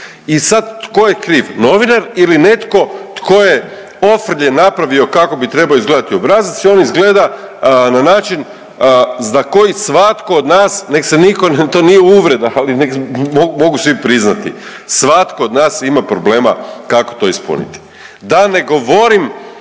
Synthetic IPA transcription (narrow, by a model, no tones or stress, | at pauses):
isad̪t̪ko̞jekɾiːʋno̞ʋinaɾiline̞t̪ko̞t̪kʰo̞je̞ | o̞fr̩ʎenapɾaʋio̞kako̞bit̪ɾe̞baoizɡle̞d̪at̪io̞bɾaːzit̪sio̞nizɡle̞d̪a | nanaːt͡ʃin | zako̞jisʋat̪ko̞od̪naːsnekseniko̞nt̪oːnijeuʋɾe̞d̪aalinekmoɡumo̞ɡusʋipɾiznat̪ḭ | sʋat̪ko̞ːd̪naːsimapɾo̞ble̞ːma̰kako̥t̪o̞ispṵnḭt̪i̥ | d̪ane̞ɡo̞ʋo̞ɾim